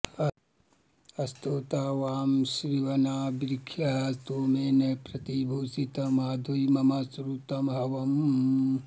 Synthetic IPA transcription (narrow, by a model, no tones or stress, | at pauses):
ɐst̪oːt̪aːʋaːmʃɾiʋɐnaːbɾikʰjɐɦɐt̪oːmeːnɐpɾɐt̪ibʱuːsit̪ɐmaːd̪ʱujmɐmɐsɾut̪ɐmɦɐʋɐm